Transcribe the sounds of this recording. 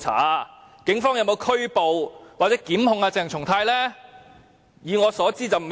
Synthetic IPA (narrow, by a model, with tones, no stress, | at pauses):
t͡sʰa̰ː˨˥kɪ˨˥ŋfɔː˥ŋjɐ˧wmo˨˧wkʰɵ˥ɥpo˨wwaː˨t̚t͡sɛː˨˥kiː˨˥mhʊ˨˧ŋaː˧t͡sɪ˨˩ŋt͡ʃʰʊ˨˩ŋt̪ʰaː˧jlɛː˥ | jiː˨ŋɔː˨˧sɔː˨˥t͡siː˥t͡sɐ˨wm